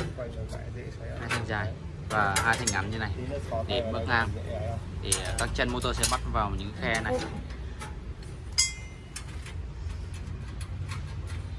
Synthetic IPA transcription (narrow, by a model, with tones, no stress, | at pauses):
haː˧jt̪ʰa˨˩ŋzaː˨˩j | vaː˨˩haː˧jt̪ʰa˨˩ŋ̟ʔa˨˦mɲɨ˧na˨˩jɗe˧˩mɨ̰˧˥ŋlaː˧m˧t̪ʰi˨˩k̪aː˦˥k̚t͡ɕɛ˧nmo˧t̪o˧sɛ̰˧˥ma˦˥t̚vaː˨˩wɲɨ̰˧˥ŋxɛ˧na˨˩j